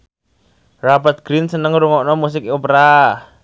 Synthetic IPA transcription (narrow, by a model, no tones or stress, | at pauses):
rapət̪̚ɡ̥ɾinsənəŋɾuŋɔʔnɔmus̬ɪkopɾa